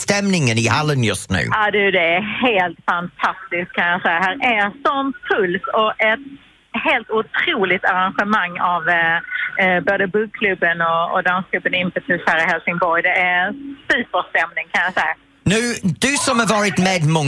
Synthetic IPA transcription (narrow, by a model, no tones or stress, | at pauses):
st̪ɛmnɪŋənɪhalənjɵst̪nʉ̰ːaːd̪ʉd̪ɛæheːlt̪fant̪ʰast̪ɪsk̚kʰːanjɑːsɛjahæːɾæsɔmpʰɵlsɔɛt̪ | heːlt̪ʊt̪ʰɾuːlɪɡ̚t̪aɾanɧɛmaŋːav | boːd̪əbɵɡ̚kʰlɵbːənɔɔ̰d̪anskʰlɵbːənɪnfət̪ʰʉshæːɾɪhɛlsɪŋbɔɾjd̪ɛʔæsʉːpəɾst̪ɛmnɪŋkʰanjasɛja | nʉːd̪̥ʉsɔmhəvɑːɾɪt̪meːd̪mɔ